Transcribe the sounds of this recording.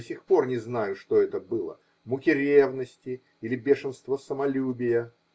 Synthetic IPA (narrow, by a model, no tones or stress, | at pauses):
sʲixpo̞rnʲɪznajʊʂt̪oɛt̪əbɨlˠə̰ | mʊkʲɪɾʲevnəsʲtʲɪ | ilʲɪbʲeʂɨnst̪vəsəmɐlʲubʲɪjə